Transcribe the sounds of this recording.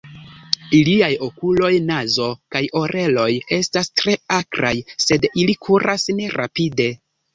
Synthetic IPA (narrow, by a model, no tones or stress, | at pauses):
iliajo̞kulo̞jnazo̞kajo̞ɾʔe̞lo̞je̞stastɾe̞akɾajse̞dilikʰuɾʔasne̞ɾa̰pide̞